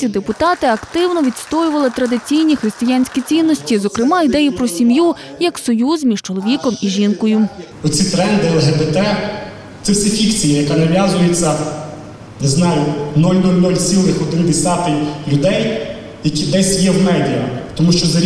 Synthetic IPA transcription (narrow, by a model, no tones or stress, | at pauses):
id̪epʊt̪ɑt̪ɪɐkt̪ɪwnɔʋʲid̪st̪ɔjʊʋɐlˠɪt̪ɾɐd̪ɪt͡sʲijnʲixɾɪst̪ɪjanʲsʲkʲit͡sʲinːɔsʲtʲizɔkɾɪmɑid̪ɛjipɾɔsʲimju | jɐksɔjuzmʲiʃt͡ʃɔlˠɔʋʲikɔmiʒinkɔjʊ | ɔt͡sʲit̪ɾɛnd̪ɪɛlˠɦɛbɛt̪ɛ | t̪sɛwsʲifʲikt͡sʲijijɐkɑnɐʋʲjazʊjet͡sʲːɐ | nɪznɑjʊnulʲnulʲnɔlʲsʲilˠɪxɔd̪ɪnd̪ɪsʲat̪ɪlʲʊd̪ɛj | jɐkʲid̪ɛsʲjɛwmɛdʲiɐ̰t̪ɔmuʃt͡ʃɔzɐ